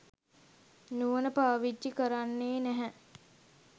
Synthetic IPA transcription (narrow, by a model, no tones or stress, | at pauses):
nuʋənəpaːʋid͡ʒːikəɾanːeːnæɦɛ